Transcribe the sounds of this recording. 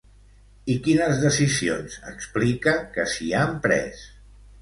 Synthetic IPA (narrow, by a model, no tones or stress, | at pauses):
ikinəzðəsizionzəksplikəkəsiampɾɛ̰s